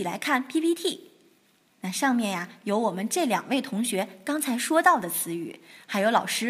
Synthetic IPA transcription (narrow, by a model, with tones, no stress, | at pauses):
i˨˩la̰˧˥ɪkʰa˥˩npʰi˥pʰi˥t̪ʰi˥˩ | na˥˧ʂɑ˥˧ŋmjɛ˥˩nja˩jo˧˥ʊwɔ˨˩mə˦nʈ͡ʂɤ˥˩ljɑ˨˩ŋwe˥˩ɪt̪ʰʊ˧˥ŋɕɥɛ˧˥kɑ˥ŋt͡sʰa˧˥ɪʂwɔ˥t̪ɑ˥˩ʊd̪ə˩t͡sʰɹ̩˧˥y̰˨˩xa˧˥ɪjo˧˥ʊlɑ˨˩ʊʂɻ̩˥